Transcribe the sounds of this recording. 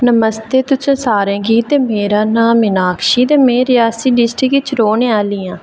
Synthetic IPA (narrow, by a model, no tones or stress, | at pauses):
nəməst̪eːt̪ʊsẽːsaːɾẽːɡiːt̪eːmeːɾãːnãːmɪnaːkʰʃiːt̪eːmẽːɾɪjaːsiːɖɪsʈɾɪkt͡ʃɾoːneːaːliːãː